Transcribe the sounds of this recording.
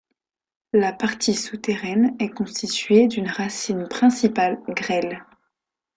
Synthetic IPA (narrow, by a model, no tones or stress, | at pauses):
lapaʁt̪ʰisut̪eʁɛnɛkɔ̃st̪it̪ɥed̪ynʁasinpχɛ̃sipalɡʁɛl